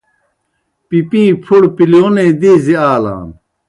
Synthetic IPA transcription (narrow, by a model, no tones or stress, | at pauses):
pipĩːpʰuɽpiljoːneːd̪iziaːla̰ːn